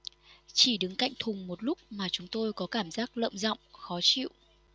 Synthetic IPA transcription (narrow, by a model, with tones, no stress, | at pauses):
t͡ɕi˧˩ɗɨ˨˦ŋka̰˧˨jŋ̟t̪ʰʊ˨˩ŋ͡mmo˨˩t̚lʊ˦˥k͡p̚maː˨˩t͡ɕʊ˨˦ŋ͡mt̪o˧jkɔ˨˦kaː˧˩mzaː˦˥k̚lə̰ː˧˨mzɔ̰˧˨wŋ͡mxɔ˨˦t͡ɕḭ˧˨wʔ